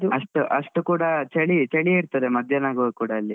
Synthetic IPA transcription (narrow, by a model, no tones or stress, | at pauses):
d̪uɐʂʈuʔɐʂʈukuːɽɐt͡ʃɐɭit͡ʃɐɭiiɾt̪ɐd̪emɐd̪ʱjɐnaːɡoukuːɽɐːlːi